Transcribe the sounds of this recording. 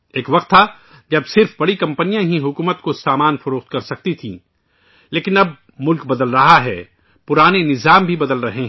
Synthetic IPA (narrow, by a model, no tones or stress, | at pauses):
eːkʋɐqt̪ʰːa | d͡ʒɐbsɪɾfbɐɽikɐ̃mpənijãɦiɦʊkuːmət̪kosaːmaːnfʊɾoːxt̪kɐɾsɐk̚t̪it̪ʰḭ̃ː | leːkɪnɐb̚ | mʊlkbɐd̪əlɾɐɦaɦɛː | pʊɾaːnenɪzaːmbʱibɐd̪əlɾɐɦeɦɛ̃